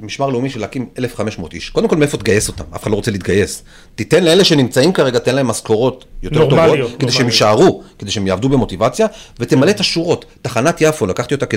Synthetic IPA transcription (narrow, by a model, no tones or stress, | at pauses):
miʃmaʁleumiʃelakime̞lefχame̞ʃmo̞ːt̪ḭʃkdemkomeefo̞t̪ɡaje̞so̞t̪ama̰fe̥χadloot͡selit̪ɡaje̞s | titenleeleʃe̞nimt͡saimkaʁe̞ɡatenlae̞mːasko̞ʁo̞t̪jo̞te̞ʁtovo̞tked̪eʃehemiʃaʁuked̪eʃeemjaːvdubemo̞tivat͡sjave̞t̪emalet̪aʃuʁotːaχanat̪jafolakaχtio̞t̪ake